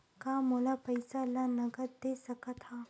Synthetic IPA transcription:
kamolapəjsalanəɡət̪̚d̪esəkət̪ʰa

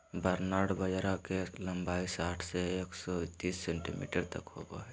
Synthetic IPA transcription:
bəɾnaːɽbəd͡ʒɾakelɐmbaːisaːʈʰseeːksɔt̪ːiːsːẽːɳʈḭmḭːʈəɽt̪ɐkhoɡoɦɛ

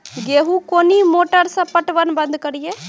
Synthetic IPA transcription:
ɡeːɦukoːnimoːʈəɾsɐpəʈʋənbə̃nd̪ʱkəɾijeː

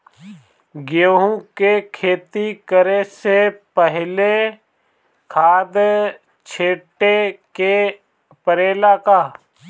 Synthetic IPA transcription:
ɡoːɦũkekʰeːt̪ikəɾesepəɦle | kʰaːd̪ | t͡ʃʰeːʈeke | pəɾeːlakaː

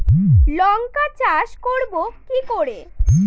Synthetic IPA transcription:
lɔŋkat͡ɕaʃkoɾbokikoɾe

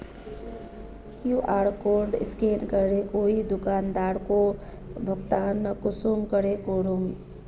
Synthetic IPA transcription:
kjuʔaːɾkoːɾɖɪ̰skeːlkəɾekoid̪ʊkaːnd̪aːɾko | bʱəɡt̪aːɾnəkʊsumkəɾekoɾum

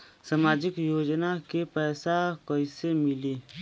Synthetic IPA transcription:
samaːd͡ʒɪkjoːd͡ʒnakepɛːsakəisemɪleː

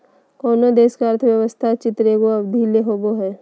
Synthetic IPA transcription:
kɔːnod̪eːʃkəɾt̪ʰəʋjɐʋəst̪ʰat͡ʃɪt̪ɾeɡoɐbd̪ʱileɦoːboɦɛː

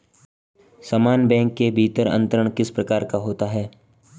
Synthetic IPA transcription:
saːmaːnbɛ̃ːŋkːebʱiːt̪əɾə̰̃nt̪ɾəɽ̃kɪspɾɐkaːɾkaɦoːt̪aɦɛː

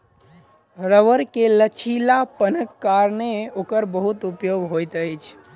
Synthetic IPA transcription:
ɾəʋəɾkelət͡ʃʰilapənəkːaɾneokəɾbəɦut̪upjoɡɦojt̪əjt͡ʃʰ

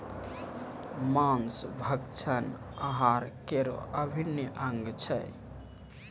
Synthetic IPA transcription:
mãnsbʱəkt͡ʃʰən | əɦaɾkeɾo̰ʔəbʱinəʔəŋɡt͡ʃʰəj

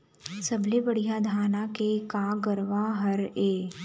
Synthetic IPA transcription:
sɐbʱlebəɽ̤ijad̪ʱaːnakekaːɡəɾʋaɦɐɾeː

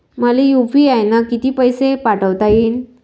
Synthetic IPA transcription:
məlijupiajnakit̪iːpəjsepaʈəʋt̪aiːn

